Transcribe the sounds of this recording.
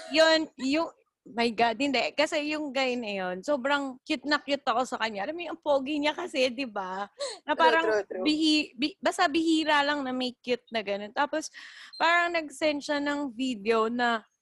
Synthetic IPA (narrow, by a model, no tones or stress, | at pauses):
jonjʊŋ | mɐjɡad̪̚hɪnd̪ɛkɐsɛjʊŋɡajɪnːɐjo̞nso̞ːbɾɐŋkjɪt̪̚nɐkjʊt̪̚ːɐko̞sɐkɐɲːaʔɐlɐmɐnɐŋpoːɡɪɲakɐsɛd̪ɪbanɐpaːɾɐbɪhibɪbaːst̪ɐbɪhiːɾalɐŋnɐmɐjkjʊt̪̚nɐɡɐno̞nt̪aːpo̞spaːɾɐŋnɐɡ̚sɛnʃɐnɐŋvid̪ɛonɐ